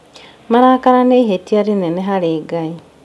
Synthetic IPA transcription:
maɾakaɾaneiɦetiaɾinɛnɛɦaɾeːɡai

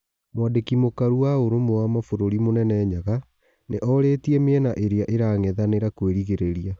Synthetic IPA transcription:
mwadekimokaɾuwaoɾomoamafoɾoɾimonɛnɛɲaɣa | neʔɔɾetiɛmeɛnaʔeɾeaʔeɾaŋɛðaneɾakweɾiɣeɾeɾia

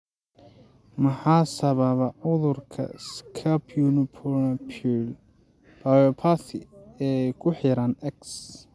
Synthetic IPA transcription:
mɐħaːsɐβɐβɐʕʊðʊrkʰɐ̰skʰapʰjunɪpʰɔrnɐpʰul | b̥ajɔpʰaθɪɛːjkʰʊħɪɾɐnɛks

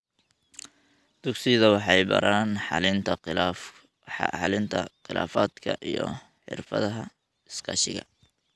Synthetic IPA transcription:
d̪̥ʊɡsiðɐwɑħɑjbɐ̰ɾaːnɑlɪnt̪ʰɐ | ɑ̰ħɑlɪnt̪ʰɐqɪla̰ːfaːd̪kʰɐʔijɔ̰ | ħɪ̰rfɐ̰ðɐɦɐ | ɪskʰɐ̰ːʃɪ̰ɣɐ̰

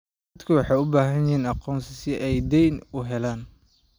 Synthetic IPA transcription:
d̪kʰɐwɑħɑjʊbaːɦɐnɪiːnɑqɔːnsɪsɪʔɛjd̪ɛjnʊɦɛlaːn

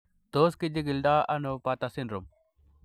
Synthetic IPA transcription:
t̪oːskid͡ʒiɡilɖ̪aːɐnupat̪asinɾum

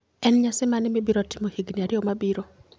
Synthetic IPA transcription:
ɛnɲasɛmanɪmɪbiɾɔtimohiɡniaɾɪomabiɾo

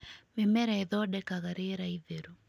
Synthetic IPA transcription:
memɛɾɛeðɔdɛkaɣaɾeɾaiðeɾu

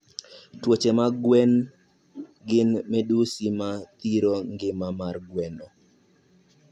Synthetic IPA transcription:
twot͡ʃemaɡwɛn | ɡɪnmɛdusimat̪iɾoŋɡɪmamarɡwɛnɔ

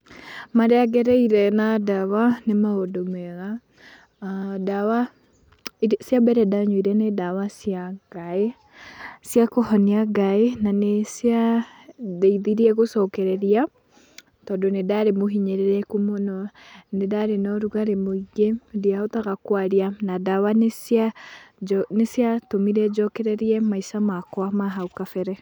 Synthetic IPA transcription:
maɾɛaɡɛɾɛiɾɛnadawanemaodomɛɣa | dawa | sjabɛɾɛdaɲwiɾɛnedawasjaɡ̥ae | sjakohɔniaɡaenanesja | ðeiðiɾiɛɣosɔkɛɾɛɾia | tɔːdonedaɾemoɦiɲɛɾeɾɛkumonɔnedaɾenɔɾuɣaɾemoiɣediaotaɣakwaɾianadawanesa | nesijatomiɾɛd͡ʒɔkɛɾɛɾiɛmaisamakwamaɦaukafɛɾɛ

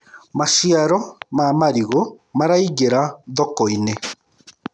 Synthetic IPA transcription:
maʃiaɾɔmamaɾiɣo | maɾaiɣeɾaðɔkɔine

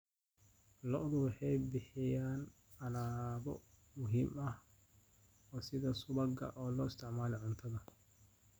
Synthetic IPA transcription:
lɔʔðʊwɑħɑjbɪħɪjaːn | ɐlaːbɔ̰ | mʊɦiːmɐh | ɔːsɪðɐsʊβɐɡɐ̰ʔɔːlɔːɪst̪ʰɪʕmaːlɪʕʊnt̪ʰɐðɐ

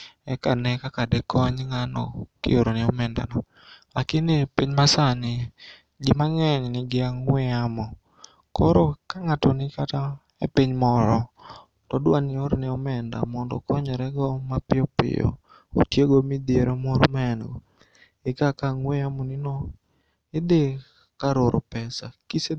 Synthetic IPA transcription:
ɛkanɛkakadɛkʰɔɲŋanɔ̰kɪ̰oɾonɪɔmɛnda̰nɔ | akɪnɪpiɲmasanɪ | d͡ʒɪmaŋɛɲnɪɡɪaŋwɛamɔ | kɔɾokaŋatɔnɪkata | ḛpiɲmɔɾɔ | tɔdwanɪoɾnɪɔmɛnda̰mɔndɔ̰kɔɲɛɾɛɡɔmapɪɔpɪ̰jɔ̰ | o̰tjeɡomid̪eɾomoɾomaɛnɡɔ | ɪkakaŋwɛamɔnɪnɔ | ɪd̪ɪ | kaɾoɾʔɔpɛsakise

